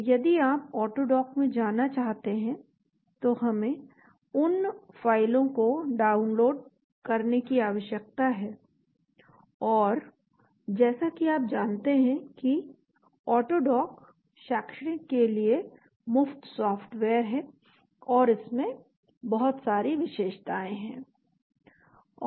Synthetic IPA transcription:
jɐd̪iaːp̚ɔːʈoɖɔːkmẽd͡ʒaːnːat͡ʃaːɦt̪eɦɛ̃ | t̪oɦɐmẽ | ʊnfaːɪlõkoɖaːʊnloːɖ | kɐɾnekiaːʋəʃjək̚t̪aɦɛː | ɔːɾ | d͡ʒɛːsakiaːp̚d͡ʒaːnt̪eɦɛ̃ki | ɔːʈoːɖɔːk | ʃaːkʃɽẽkelie | mʊft̪sɔːfʈʋeːəɾɦɛ̃ː | ɔːɾɪsmẽ | bɐɦʊt̪saːɾiʋɪʃeːʃt̪aːẽɦɛ̃ː

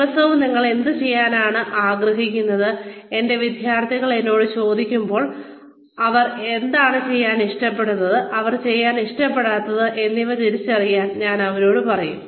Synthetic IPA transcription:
ɐsɐʋumniŋːɐɭe̞nd̪ɨt͡ɕe̞jːaːnaːɳɨʔaːɡrɐɦikʲːunːɐðɨe̞nde̞ʋid̪ʱjaːrt̪ʰiɣɐɭe̞nːo̞ːɽɨt͡ɕo̞ːd̪ikʲːumbo̞ːɭ | ɐʋɐre̞nd̪aːɳɨt͡ɕe̞jːaːniʂʈɐpːe̞ɽunːɐðɨʔɐʋɐrt͡ɕe̞jːaːniʂʈɐpːe̞ɽaːt̪ːɐðɨʔe̞nːiʋɐt̪iɾit͡ɕːɐrijːaːnɲaːnɐʋɐɾo̞ːɽɨpɐrɐjum

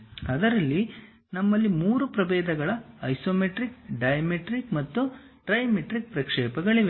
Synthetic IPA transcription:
ɐd̪ɐɾɐlːi | nɐmːɐlːimuːɾupɾɐbɛːd̪ɐɡɐɭɐɐjsoːmeʈɾik̚ɖɐjɐmeʈɾikmɐt̪ːu | ʈɾɐjmeʈɾik̚pɾɐkʂɛːpɐɡɐɭiʋe

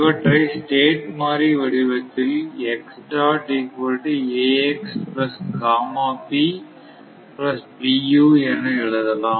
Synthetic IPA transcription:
ʋɐʈɾɐɪsʈeːʈmaːɾɾiʋɐɽɪʋɐt̪ːɪlɛksʈɾaːʈikɐɾʈieːɛksplɐsɡaːmaːpi | plɐspijuːɛnːɯɛɻɯðɐlãːm

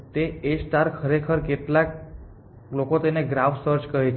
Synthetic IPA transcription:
t̪eesʈaɾkʰəɾekʰəɾkeʈlak | lokot̪eneɡɾafsəɾt͡ʃkəɦet͡ʃʰ

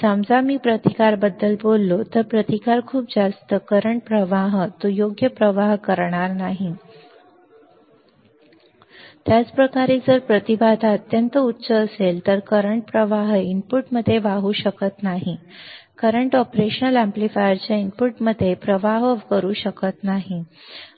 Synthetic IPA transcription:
samd͡zamiːpɾət̪ikaɾbəd̪ːəlbolːot̪əɾpɾət̪ikaɾkʰuːp̚d͡zast̪əkəɾəɳʈ̚pɾəʋaɦt̪ujoɡjəpɾəʋaɦkəɾɳ̃aɾnaɦi | t̪jat͡spɾəkaɾed͡zəɾpɾət̪ibad̪ʱət̪jənt̪əutːsəːselt̪əɾkəɾəɳʈ̚pɾəʋaɦimpuʈməd̪ʱːjeʋaɦuɕəkət̪naɦi | kəɾəɳʈɔpɾeɕənəlæ̃mplifajəɾt͡ɕjaimpuʈməd̪ʱːjepɾəʋaɦʋkəɾuːɕəkət̪naɦi

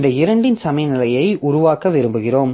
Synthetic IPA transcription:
nd̪ɐɪɾɐɳɖɪnsɐmɐjnɪlɐjɐɪʔʊɾʊʋaːkːɐʋɪɾɯmbɯɣɪroːm

